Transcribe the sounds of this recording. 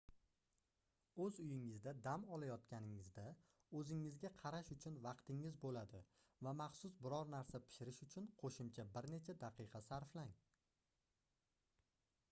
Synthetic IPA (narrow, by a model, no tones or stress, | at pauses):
ɵzʊjɪŋɪzd̪ad̪amɒlajɒt̪kʲanɪŋɪzd̪a | ɵzɪŋːɪzɡʲaqʰɑɾaʃʊt͡ʃʰʊnvɑqt̪ʰɪŋɪzbolad̪ɪ | vamɑχsʊsbɪɾɒɾnaɾsapʰɪ̥ʃɪɾɪʃʊt͡ʃʰʊnqʰoʃɪmt͡ʃʰabɪɾne̞t͡ʃʰad̪aqʰɨqʰɑsaɾflaŋ